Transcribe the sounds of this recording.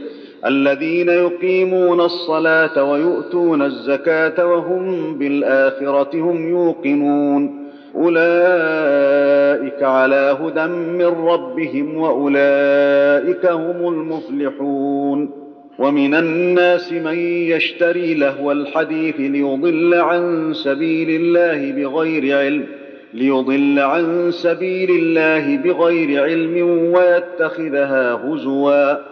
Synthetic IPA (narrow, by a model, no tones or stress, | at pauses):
ʔalːaðiːnajʊqiːmuːnɑsˤːɑlaːt̪awajʊʔt̪uːnazːakaːt̪awaɦʊmbɪlʔaːxɪɾˤɑt̪ɪhʊmjuːqɪmuːn | ʔʊlaː | ʔɪkaʕalaːɦʊd̪amːɪnɾˤɑbːɪɦɪmwaʔʊlaːʔɪkahʊmʊlmʊflɪħuːn | wamɪnanːaːsɪmanjaʃt̪aɾiːlahwalħad̪iːθlɪjʊd̪ˤɨlːaʕansabiːlɪlːaːhɪbɪɣajɾɪʕɪlm | lɪjʊd̪ˤɨlːaʕansabiːlɪlːaːɦɪbɪɣajɾɪʕɪlmɪnwajat̪ːaxɪðɦaːhʊzwaː